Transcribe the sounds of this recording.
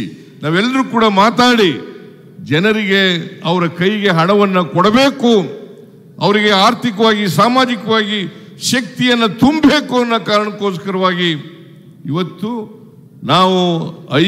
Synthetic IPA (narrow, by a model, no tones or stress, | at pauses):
naːʋɛlːɐɾuːkuːɽɐmaːt̪aːɽi | d͡ʒɛnɐɾiɡe̞ɐʋɐɾɐkɐjɡe̞ɦɐɽɐʋɐnːɐkɔɽɐbe̞ːku | ɐʋɐɾiɡe̞aːɾt̪ʰikɐʋaːɡisaːmaːd͡ʒikɐʋaːɡi | ʃɐk̚t̪ijɐnːɐt̪umbe̞ːkuɐnːɐkaːɾɐɳɐkːoːskɐɾɐʋaːɡi | iʋɐt̪ːu | naːʋuɐ